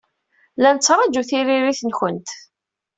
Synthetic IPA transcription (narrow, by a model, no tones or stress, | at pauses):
lænət͡sːɾˤɑd͡ʒuθiɾiɾiθənçənt̪